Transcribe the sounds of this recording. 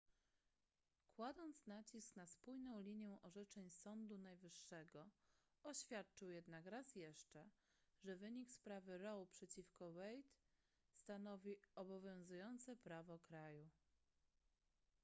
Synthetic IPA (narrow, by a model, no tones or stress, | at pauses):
kwad̪ɔnt̪snat͡ɕisknaspujnɔ̃w̃lʲiɲjɛ̃ʔɔʐɛt͡ʂɛɲsɔnd̪unajvɘʂːɛɡɔ | ɔɕfʲjat̪̚t͡ʂɘwjɛd̪nakɾasjɛʂt͡ʂɛ | ʐɛvɘɲikspɾavɘɾɔwpʂɛt͡ɕifkɔwɛjt̪ | st̪anɔvʲiɔbɔvʲjɔ̃w̃zujɔnt̪sɛpɾavɔkɾaju